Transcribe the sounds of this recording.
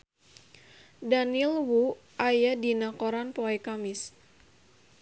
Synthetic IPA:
danilwu | ʔajadinakoɾanpɔɛkamis

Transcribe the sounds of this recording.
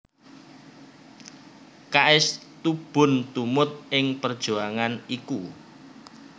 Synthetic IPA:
kaʔɪst̪ub̥ʊ̤nt̪umʊt̪̚ɪŋpərd̥ʒ̥uaŋaniku

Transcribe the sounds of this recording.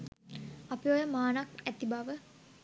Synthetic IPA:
apiojəmaːnakæt̪ibaʋə

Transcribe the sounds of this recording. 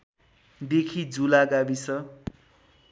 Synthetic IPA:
d̪ekʰid͡zulaɡabisʌ

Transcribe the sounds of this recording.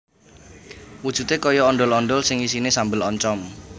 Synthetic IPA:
wud̥ʒ̥ṳt̪ekɔjɔːnɖɔlɔnɖɔlsɪŋisinesambɪlɔɲt͡ʃɔm

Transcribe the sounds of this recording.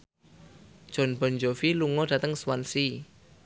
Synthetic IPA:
d̥ʒ̥ɔ̤nb̥ɔ̤nd͡ʒofiluŋɔd̥ä̤t̪əŋswansi

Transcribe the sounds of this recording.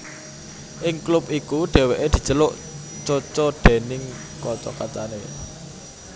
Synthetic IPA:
ʔɪŋklʊp̚ʔikuɖ̥ɛ̤weʔed̪̥i̤̥t͡ʃəlʊʔ | t͡ʃɔt͡ʃɔɖ̥e̤nɪŋ | kɔt͡ʃɔ̰kat͡ʃa̰nḛ

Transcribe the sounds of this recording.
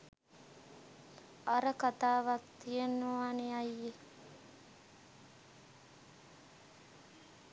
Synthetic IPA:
aɾəkat̪aːʋak̚t̪ijenːoʋaːneajːe

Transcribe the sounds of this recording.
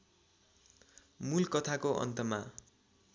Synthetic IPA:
mulkʌt̪ʰakoʔʌ̰nt̪ʌma

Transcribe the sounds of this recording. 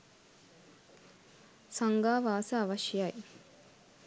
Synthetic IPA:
sɐŋɡaːʋaːsɐːʋɐʃjaj

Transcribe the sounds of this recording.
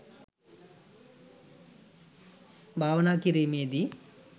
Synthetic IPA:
bʱaːʋɐnaːkiɾejmeːd̪i

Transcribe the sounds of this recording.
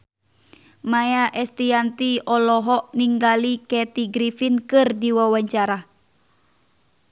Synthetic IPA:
majaʔɛst̪iant̪iɔlɔɦɔʔniŋɡalikɛt̪iɡɾifinkɨrdiwawaɲt͡ʃaɾa

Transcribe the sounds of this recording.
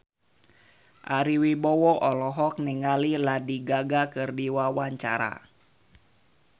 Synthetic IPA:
ʔaɾiwibɔwɔʔɔlɔɦɔk̚niŋaliladiɡaɡakɨrdiwawaɲt͡ʃaɾa̰

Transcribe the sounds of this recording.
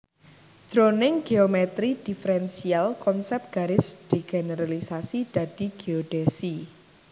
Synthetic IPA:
d̪̥ɾonɪŋɡ̥eomɛt̪ɾid̥ifɾɛnsialkɔnsɛp̚t̪̚ɡ̥aɾɪsd̪̥eɡ̥eneɾalisasid̪̥ä̤d̪̥i̤ɡ̥eoɖ̥esi

